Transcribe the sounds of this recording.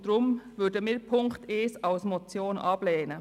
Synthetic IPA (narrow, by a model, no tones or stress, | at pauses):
d̥ɾʊmvʏdəmiːpʰʊŋkteːsaʊsmɔt͡sjoːnʔɑb̥lɛːnə